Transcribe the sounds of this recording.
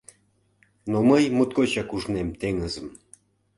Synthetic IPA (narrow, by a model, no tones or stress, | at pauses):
noməjmot̪̚kot͡ɕɑkuʒnemt̪eŋəzə̆m